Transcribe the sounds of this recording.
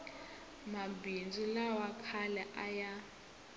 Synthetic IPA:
mabind͡zilawakʰalɛʔaja

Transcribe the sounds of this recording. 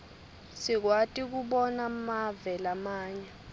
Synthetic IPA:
sik̬watʼik̬uɓɔnamavɛlamaːɲa

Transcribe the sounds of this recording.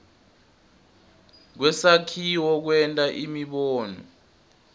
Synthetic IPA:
k̬wɛsakʰiwɔk̬wɛntʼaʔimiɓɔːnɔ̰

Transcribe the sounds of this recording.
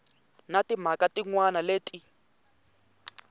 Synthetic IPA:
natim̤akatiŋwanaleːtʼi

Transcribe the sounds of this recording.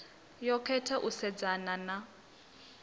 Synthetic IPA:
jɔkʰɛtʰaʔusɛd͡zanana

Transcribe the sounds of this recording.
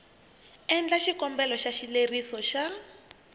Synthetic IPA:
ɛnd͡ɮaʃikɔmbɛlɔʃaʃilerisɔʃa

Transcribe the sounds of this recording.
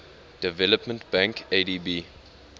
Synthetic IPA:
d̥əvɛləpmə̃ntb̥æ̃ŋkʰedibiː

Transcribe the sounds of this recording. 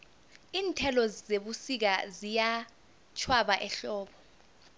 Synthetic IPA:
iːntʰɛlɔzeɓusik̬azija | t͡ʃʰwaɓaʔɛɬɔːɓɔ

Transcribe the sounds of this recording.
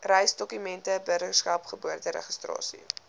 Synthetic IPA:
rɛjsdɔkymɛntəbərtərskɐpχəbuərdəɾɛ̰χəstrɑ̰ːsḭ

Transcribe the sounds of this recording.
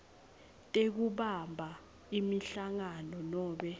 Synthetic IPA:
tʼek̬uɓambʱa | imiɬaŋanɔnɔːɓɛ

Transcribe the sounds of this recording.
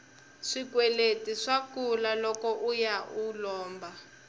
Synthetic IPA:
ʂikwɛletiʂakulalɔkɔʔujaulɔːmba

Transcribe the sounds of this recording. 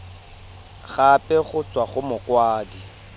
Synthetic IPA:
ɣapʼɛχʊt͡sʼwaχʊmʊkwaːdi

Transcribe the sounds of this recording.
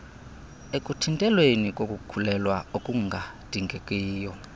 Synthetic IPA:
ekʼutʰintʼɛlwenikʼokʼukʰulɛlwaokʼuŋɡʱad̥ʱiŋɡʱekʼiːjɔ

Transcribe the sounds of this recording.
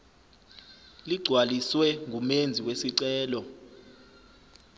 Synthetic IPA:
liɡ͡ǀʱwaliswɛŋʱumend͡zʱiwesiǀɛːlɔ

